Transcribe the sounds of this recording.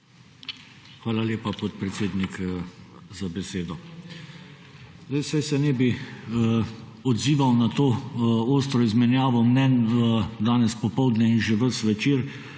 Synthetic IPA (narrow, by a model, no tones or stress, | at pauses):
xʋaːlaleːpapɔt̪̚pɾɛt̪seːd̪nik | zabɛseːd̪ɔ | zd̪ajsajsɛnɛːbi | ɔd̪ziːʋawnat̪oːoːst̪ɾɔizmɛnjaːʋɔmnɛnd̪aːnɛspɔpɔwd̪nʲɛinʒɛʋəsʋɛt͡ʃiːɾ